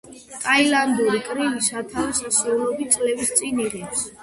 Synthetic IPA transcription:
t̪ʼailand̪uɾikʼɾivisat̪ʰavisasiulɔbit̪sʼlɛvist̪sʼiniʁɛps

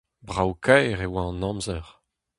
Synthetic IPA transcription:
bʁawkʰajʁewaɑ̃nɑ̃mzœʁ

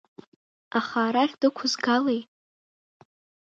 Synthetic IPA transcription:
aχaːɾaχʲdɨkʷʰʊzɡalejt

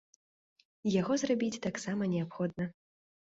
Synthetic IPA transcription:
jaɣɔzrabʲit͡sʲt̪aksamɐnʲɛapxɔd̪̚nɐ

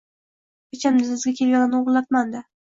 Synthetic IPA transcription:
pet͡ʃʰand̪ɪzɪzɡʲakʲʰelʲɡʲanɪnoʁlːˠat̪mand̪ɪ

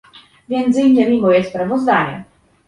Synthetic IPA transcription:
vʲjɛnt̪ziɲɛmʲimɔjɛspɾavɔzd̪aɲɛ̰

